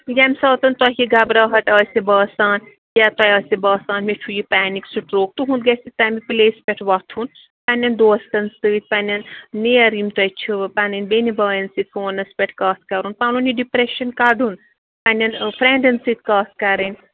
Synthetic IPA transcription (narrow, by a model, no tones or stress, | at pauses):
jamisɐːt̪ɐnt̪ɐɦiɡabɾaːɦɐʈ̪ɐːsʲebɐːsaːn | jat̪ɐjɐːsʲibɐːsaːnmet͡ʃʰujipaːniksuʈɾoːk̚t̪uɦũnd̪̚ɡɐsit̪amipileːspʲeʈʰʋɐt̪ʰun | panʲɐnd̪oːst̪ɐnsɨːt̪̚panʲɐnːiɐɾimt̪ɐjt͡ʃʰipanɨnbenibɐːjɐnsɨt̪̚ʰoːnɐspʲeʈʰkɐːt̪kɐɾunpalunjiɖipɾeʃɐnkaɖun | panʲɐnpʰɾeɳɖɐnsɨt̪̚kaːt̪kɐɾɨnʲ